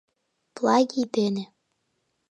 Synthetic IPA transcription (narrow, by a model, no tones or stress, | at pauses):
plˠɑɡʲibene